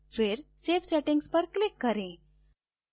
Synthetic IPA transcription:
fʋeɾsefsɛʈiŋɡspəɾklɪkːəɾẽ

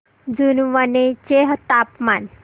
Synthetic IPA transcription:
d͡zunʋanet͡ɕeɦt̪apman

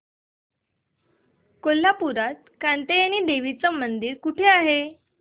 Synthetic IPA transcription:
kolːapuɾat̪̚kant̪ejañiːd̪eʋit͡səmənd̪iːɾkuʈʰeaɦe

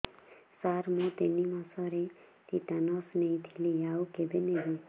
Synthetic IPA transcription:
saɾmot̪enimasʌɾe | t̪it̪anʌsnejt̪ʰilejawkebeneɦi

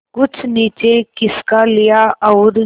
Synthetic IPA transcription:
kʊt͡ʃʰniːt͡ʃekɪskalɪjaʔɐʊɾ

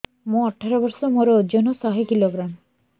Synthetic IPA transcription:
mõɔʈʰːaɾobɔɾsomoɾod͡ʑonosaɦekiloɡɾan

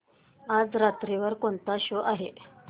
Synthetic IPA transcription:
ad͡zɾat̪ɾiʋəɾkoɳt̪aɕoʔaɦe

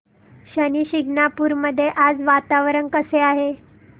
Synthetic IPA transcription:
ɕəniɕiɡnapuːɾməd̪ʱːjeʔad͡zʋat̪aʋɾəɳkəseaɦe

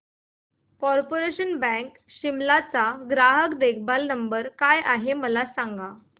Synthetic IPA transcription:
kɔɾpoɾeɕənbɛ̃k | ɕimlat͡saɡɾaɦəkd̪ekʰbalnəmbəɾkajaɦeməlasãŋɡa

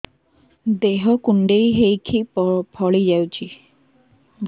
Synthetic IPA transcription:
d̪eɦɔkuɳɖejɦejkʰippʰɔɭid͡ʒawt͡ʃʰi | ɡ

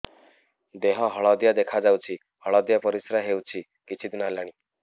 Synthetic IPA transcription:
d̪eɦãɦəɭad̪jad̪ekʰad͡zawt͡ɕiː | həɭad̪japəɾisɾaɦewt͡ɕiː | kit͡ɕiːt̪nalaɽ̃iː

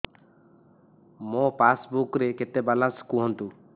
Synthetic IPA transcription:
mõpasbukɾeket̪ebalaskuɦɔnt̪u

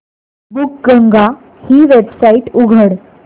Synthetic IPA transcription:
buk̚ɡəŋɡa | hiːʋebsaiʈuɡʱəɽ

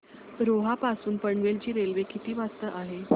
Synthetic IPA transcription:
ɾoɦapasuːnpəɳʋelt͡ɕiːɾelʋekʰit̪iːʋast̪əʔaɦe

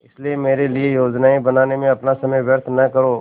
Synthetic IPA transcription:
ɪsliemeːɾeliejoːd͡ʒnaːibɐnaːnemẽɐpnasɐməjʋjəɾt̪ʰnɐkəɾoː

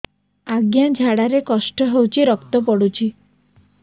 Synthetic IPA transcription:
aɡjad͡ʒʱaɽaɾekɔsʈɔɦewt͡ʃʰiɾɔkt̪ɔpɔɽut͡ʃʰi

